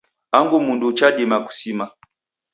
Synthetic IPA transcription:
aŋɡumundut͡ʃaɗimaku̥sima

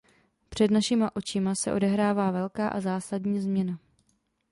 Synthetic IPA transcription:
pr̝̥ɛdnaʃɪmaʔo̞t͡ʃɪmasɛ̰ʔo̞̰dɛɦɾaːvaːvɛlkaːʔazaːsadɲiːzmɲɛna

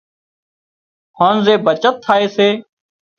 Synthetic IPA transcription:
hõːnzeːbət͡ʃət̪ʰːaːeːseː

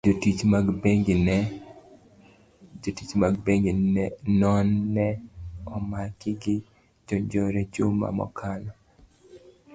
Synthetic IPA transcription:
d͡ʒotit͡ʃmaɡbeŋɡnɛ | d͡ʒotit͡ʃmaɡbeŋɡinɛnɔnːɛɔmakɪɡɪ | d͡ʒɔɲd͡ʒɔɾɛd͡ʒoma̰mɔ̰kʰanɔ

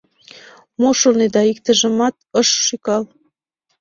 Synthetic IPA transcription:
moʃolned̪ɑikt̪ə̆ʒə̆mɑt̪̚əʃʃykɑl

